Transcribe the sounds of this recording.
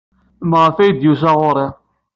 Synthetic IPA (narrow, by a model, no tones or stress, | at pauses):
mʁəfæjd̪jus̬æʁʊɾˤi